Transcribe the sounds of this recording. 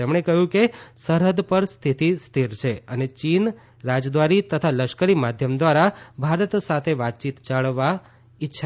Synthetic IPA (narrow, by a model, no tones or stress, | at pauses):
t̪emɳ̃ekəɦjũkesəɾɦəd̪pəɾst̪ʰit̪ist̪ʰiɾt͡ʃʰeənet͡ʃin | ɾad͡ʒd̪ʋaɾit̪ət̪ʰaləʃkəɾimad̪ʱjəmd̪ʋaɾabʱaɾət̪sat̪ʰeʋat̪̚t͡ʃit̪t͡ʃaɭʋa | ɪtːʃʰa